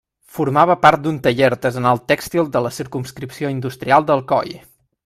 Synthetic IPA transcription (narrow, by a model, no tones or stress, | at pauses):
fuɾmaβəpaɾt̪̚d̪unt̪əʎeɾd̪əzənalˠt̪ɛkst̪ilˠd̪ələsiɾkumskɾipsioind̪ust̪ɾialˠd̪əlˠkɔ̰j